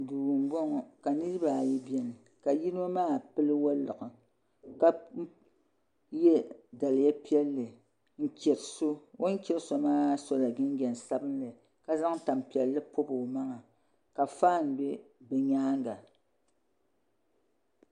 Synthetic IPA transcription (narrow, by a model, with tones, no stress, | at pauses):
duː˨m˨bɔ˦ŋɔ˨ka˨nɨ˦ɾɨ˦ba˨ji˦bjɛ˦n˨ | ka˨ji˦n˦o˦maː˦˨pɨ˦lɨ˦wa˦lːɨ˨ʔɨ˨ | ka˦ | jɛ˦da˨lɪ˨ja˦pi˦ɛ˦lːɨ˨ | ŋ̩˨kʲɛ˨ɾso˦wʔo˦n˦kʲɛ˨ɾso˦maː˦so˦la˨ɡɪ˦n˦ɡɛ˨n˨sa˦bɨ˦nlɨ˨ | ka˦za˦ŋ˦ta˨mpi˨ɛ˨lːɨ˦po˦bɨ˨ma˦ŋa˨ | ka˨faː˦˨n˨bɛ˦bɛ˨ɲaː˦ŋ˦ɡa˨